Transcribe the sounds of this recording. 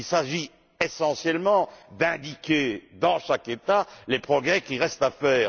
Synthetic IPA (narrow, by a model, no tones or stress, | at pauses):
ilsaʒi | esɑ̃sjɛlmɑ̃d̪ɛ̃d̪ikʲed̪ɑ̃ʃaket̪alepχɔɡʁɛkʲiʁɛst̪afɛːʁ